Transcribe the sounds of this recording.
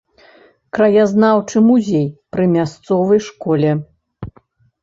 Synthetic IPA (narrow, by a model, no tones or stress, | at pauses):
kɾɐjaznawt͡ʂɨmuzʲejpɾɨmʲast̪sɔvɐjʂkɔlʲɛ